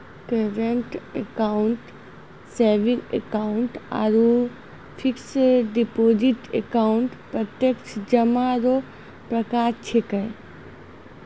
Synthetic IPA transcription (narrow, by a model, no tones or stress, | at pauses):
kəɾəɳʈekaʊɳʈ | seːʋĩŋɡḛkaʊɳʈa̰ɾu | pʰiksɖipoːd͡ʒiʈekaʊɳʈpɾət̪jəkt͡ʃʰd͡ʒəmaɾo | pɾəkaːɾt͡ʃʰekɐe